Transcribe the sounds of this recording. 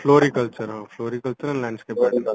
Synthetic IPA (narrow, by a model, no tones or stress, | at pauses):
floːɾikɐlt͡ʃəɾɦãːfʰloːɾikəlt͡ʃəɾãnlɛ̃ɳɖskeːpa